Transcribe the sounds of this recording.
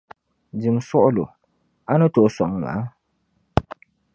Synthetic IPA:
d͡ʒi˨msʊ˦ʔʊ˦lo˨ | a˦nʊ˦to˨˦sɔ˨ŋŋa̰˨˦

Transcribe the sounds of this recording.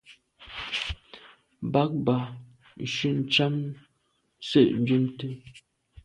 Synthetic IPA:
ba˨˦k̚ba˨ | n̩˨ʃʉ˦n̩˨t͡ʃa˦m | sə˦˨ʔn˨˦d͡ʒu˦mtə˦

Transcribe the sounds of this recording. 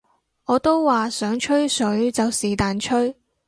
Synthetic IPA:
ɔː˨˧t̪o˥wːaː˨sœː˨˥ŋt͡ʃʰɵ˥ɥsɵ˨˥ɥt͡sɐ˨wsiː˨˩t̪aː˨nt͡ʃʰɵ˥ɥ

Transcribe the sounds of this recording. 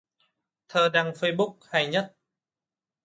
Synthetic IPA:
t̪ʰəː˨˩ɗaː˧ŋfə˧jɓʊ˦˥k̚ha˨˩jɲə˦˥t̚

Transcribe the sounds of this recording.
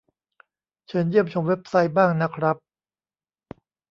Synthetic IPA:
t͡ɕʰɤ˧˦˥njɯ˥˩əmt͡ɕʰo˧˥mwe˦˥p̚sa˦˥jbaː˥˩ŋna˦˥kʰɾa˦˥p̚

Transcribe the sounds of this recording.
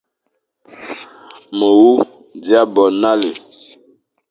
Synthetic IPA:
mə˨wu˦ | di˦a˦bɔ˨na˦le˨

